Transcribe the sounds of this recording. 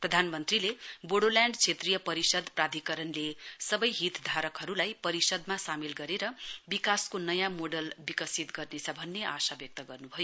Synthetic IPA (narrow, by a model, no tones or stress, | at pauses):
prʌd̪ʱanmʌnt̪rileboɽoljaɳɖt͡sʰet̪rijʌpʌɾisʌd̪prad̪ʱikʌɾʌnlesʌbʌjɦit̪d̪ʱaɾʌkɦʌɾulajpʌɾisʌd̪masamilɡʌɾeɾʌbikaskonʌjãmoɖʌlbikʌsit̪ɡʌrnet͡sʰʌbʱʌnːeʔa̰sabjʌk̚t̪ʌɡʌrnubʱʌjo